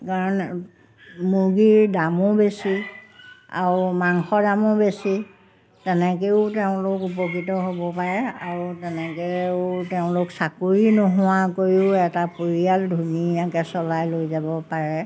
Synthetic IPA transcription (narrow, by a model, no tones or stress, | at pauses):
kaɹɔn | muɡiɹdamʊbesi | a̰ɹumaŋxɔdamʊbesi | tɛnɛkeʊteʊ̃lʊkupɔkitɔɦobɔpaɹɛaɹutɛnɛketeʊ̃lʊksakuɹinɔɦʊwakojʊɛtapoɹialdʱuniakɛsɔlajlojzabɔpaɹɛ